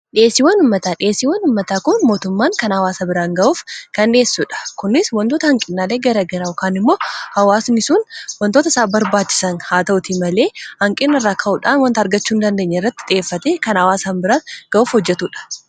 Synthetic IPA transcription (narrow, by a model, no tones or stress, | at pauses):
ᶑɪeːsɪwɐnʊmːɐt̪aːᶑɪeːsːɪwɐnʊmːɐt̪aːkʊnmo̞ːt̪ʊmːaːŋkɐnɐwaːsɐbɪɾaːŋɡɐʔuːfkɐnᶑe̞ːsːuːᶑɐ̥kʊnːɪswɐnt̪oːt̪ɐhɐŋkʼɪnːaːleːɡɐɾɐɡɐɾɐʊkaːnɪmːo̞ːhɐwaːsnɪsuːnwɐnt̪o̞ːt̪ɐɪsaːbɐɾbaːt͡ʃːɪ̥sɐnhaːt̪ɐʔʊt̪iːmɐle̞ːhɐŋkʼɪnːɐrːaːkʰɐʔʊᶑaːnwɐnt̪ɐɾɡɐt͡ʃːuːnd̪ɐnd̪e̞ːɲːɐɪrːɐt̪ːɪ̥ᶑɪeːfːɐt̪eːkɐnɐwaːsanbɪɾaːnɡ̥ɐʔuːfhɔd͡ʒːɛt̪uːᶑɐ̥